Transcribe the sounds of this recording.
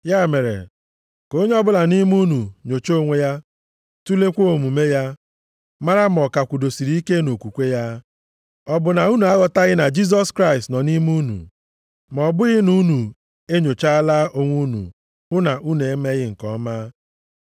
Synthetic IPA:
ja˦˨me˨ɾḛ˨ | ko˦ɲe˦ɔ˦bʊ˦la˨ni˦mu˦nu˨ɲo˨t͡ʃo˦˨ŋʷe˦ja˦ | tu˦le˦kʷo˦o˨mu˨me˦ja˦ | ma˦ɾa˦m˨ɔ˨ka˨kʷu˨do˨si˨ɾi˨˦i˦ke˦no˨kʷu˨kʷe˦ja˦ | ɔ˦bʊ˨na˨u˦nu˨a˦ɣɔ˨ta˦ɣɪ˦na˨d͡ʒi˦z̬ɔ˦skɾa˦ɪ˨stnɔ˨ni˦mu˦nṵ˨ | m˨ɔ˨bʊ˦ɣɪ˦nu˦nu˨ | e˦ɲo˨t͡ʃa˦laː˦ʔo˦ŋʷu˦nṵ˨ | ʊ˦na˨u˦n˨e˨˦me˦ɣɪ˦ŋ̩˨kɔ˦maː˦

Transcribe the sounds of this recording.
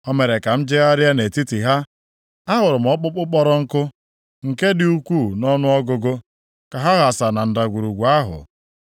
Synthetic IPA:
ɔ˦me˨ɾe˨ka˨m̩˦d͡ʒe˦ɣa˦ɾja˦ne˨ti˦ti˨ɦa˦ | a˦ɦʊ˨ɾʊ˨m̩˨ɔ˦k͡pʊ˦k͡pʊ˦k͡pɔ˦ɾɔ˦ŋ̩˦kʊ˦ | ŋ̩˨ke˦dɪ˦u˦kʷu˦˨nɔ˦nʊ˦ɔ˦ɡʊ˦ɡo˦ | ka˨ɦa˦ɣa˨sa˨na˨n̩˨da˨ɡʷu˨ɾu˨ɡʷu˨a˦ɦʊ̰˨

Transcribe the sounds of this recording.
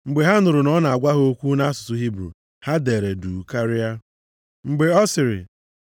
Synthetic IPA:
ŋ͡m̩˨ɡ͡be˨ɦa˦nʊ˨ɾʊ˨nɔ˦na˨a˨ɡʷa˦ɦo˦kʷu˦na˦a˦sʊ̥˨tʊ˨ɦi˦bɾṵ˨ | ha˦de˨ɾe˨du˨ka˦ɾɪ˦ja˦ | ŋ͡m̩˨ɡ͡be˨ɔ˦sɪ˨ɾɪ̰˨

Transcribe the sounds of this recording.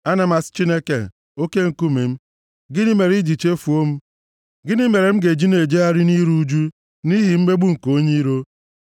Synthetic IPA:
a˦na˨ma˨st͡ʃi˦ne˦ke˨ | o˦ke˦ŋ̩˨ku˦mi˨m̩˦ | ɡɪ˦ni˦me˨ɾi˦d͡ʒi˨t͡ʃe˦fu˨o˦m̩˦ | ɡɪ˦ni˦me˨ɾe˨m̩˦ɡe˨d͡ʒi˦ne˨d͡ʒe˦a˦ɾɪ˦ni˦ɾu˦d͡ʒu˦ | ni˦ɦi˨m̩˦me˦ɡ͡bu˦ŋ̩˨ko˦ɲe˦ɾo˦

